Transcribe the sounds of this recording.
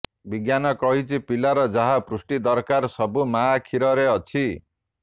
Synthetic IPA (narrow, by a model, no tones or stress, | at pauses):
biɡjanʌkʌɦit͡sʰipilaɾʌd͡zaɦapɾusʈid̪ʌɾkaɾsʌbumakʰiɾʌɾeʌt͡sʰi